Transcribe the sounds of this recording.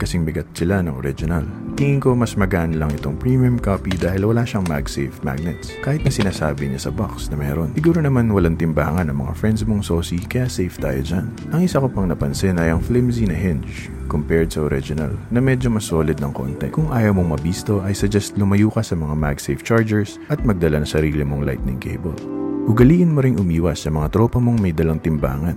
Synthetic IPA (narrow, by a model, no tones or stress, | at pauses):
kɐsɪŋbɪɡɐt̪̚sɪlanɐŋoɾɪd͡ʒɪnɐlt̪iːŋɪŋko̞mɐsmɐɡaʔɐnlɐŋɪt̪o̞ŋpɹimiʊmkaːpid̪aːhɪlwɐlaːʃɐŋma̰ɡsɛjfma̰ɡ̚nɛt̪skaːhɪt̪̚nɐsɪnaːsaːbɪɲɐsɐbaksnɐmɛːɾo̞nsɪɡuːɾonɐmanwɐlaŋt̪ɪmba̰ːŋɐnːɐŋmɐ̰ŋa̰fɹɛnd̪smoŋsoːsikɐjasɛjft̪a̰ːjod͡ʒan | ʔɐŋʔɪsɐkopɐŋnɐpɐnsɪnɐjɐŋflɪmsinɐɦɪnd͡ʒt͡ʃ | kompɛɹd̪sɐoɾɪd͡ʒʊnɐ̰lnɐmɛd͡ʒo̞mɐsoːlɪd̪̚nɐŋko̰nt̪ɛ̰kʊŋʔaːjɐmoŋmɐbiːst̪o̞ʔɐjsɐd͡ʒɛst̪lʊmɐjuːkɐsɐmɐŋamaɡsɛjft͡ʃaɹd͡ʒɛɹs | ʔɐt̪̚mɐɡ̚d̪ɐlanɐŋsɐɾiːlɪmoŋla̰jt̪̚nɪŋkʰḛjbɐ̰lʔʊɡɐliːʔɪnmoɾɪŋʔʊmiːwɐsːɐmɐŋat̪ɾo̞ːpɐmo̞ŋmɐjd̪ɐlɐŋt̪ɪmba̰ːŋɐn